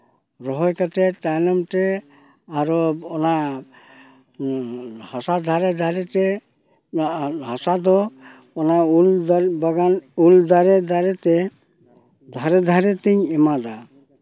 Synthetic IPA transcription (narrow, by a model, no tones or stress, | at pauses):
ɾɔɦɔjkat̪et̪anɔmʈe | aɾoɔna | hasad̪ʱaɾed̪ʱaɾet̪e | ɦasad̪ɔ | ɔnaulabaɡanuld̪aɾed̪aɾet̪e | d̪ʱaɾed̪ʱaɾet̪iɲemad̪a